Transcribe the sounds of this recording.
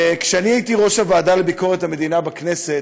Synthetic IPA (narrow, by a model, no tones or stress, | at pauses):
kʃeaniaitiʁo̞ʃavaːdalebiko̞ʁethame̞d̪inabakne̞se̞t